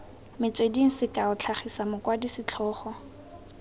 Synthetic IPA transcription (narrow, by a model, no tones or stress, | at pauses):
mɪt͡sʼwediŋ̩sɪkʼaʊt͡ɬʰaχisamʊkʼwadisɪt͡ɬʰɔːχɔ